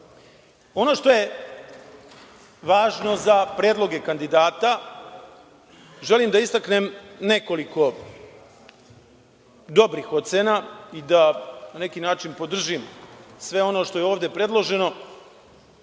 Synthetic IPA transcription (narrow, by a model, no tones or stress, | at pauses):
o̞no̞ʂt̪o̞je | ʋaːʒno̞zapɾeːd̪lˠo̞ɡe̞kand̪id̪aːt̪a | ʒe̞limd̪aist̪aknemne̞ko̞liko̞ | d̪o̞bɾixot̪seːnaid̪anane̞kinaːt͡ʃinpo̞d̪r̩ʒimsʋe̞o̞no̞ʃt̪o̞jeo̞ːʋd̪e̞pɾe̞d̪lˠo̞ʒe̞no̞